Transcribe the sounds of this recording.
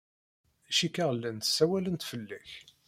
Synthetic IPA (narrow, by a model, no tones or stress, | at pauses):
æʃikːaʁlːænt̪ə̥sːæwælənt̪fəlːæç